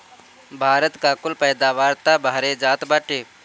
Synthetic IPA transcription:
bʱaːɾət̪kaːkʊlpɛːd̪aːʋaːɾt̪aːbʱaːɾeːd͡ʒaːt̪baːʈeː

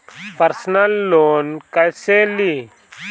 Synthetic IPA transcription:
pəɾsnalːonkajseli

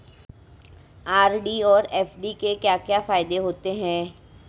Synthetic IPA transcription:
aːɾɖiɔːɾɛːfɖikekjaːkjaːfaːɪd̪eɦoːt̪eɦɛ̃ː

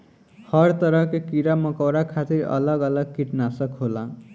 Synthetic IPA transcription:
hʌɾt̪ʌɾʌkekiɾamʌkawɾakʰat̪iɾʌ̰lʌɡʌlʌɡ̚kiʈnasʌkɦola

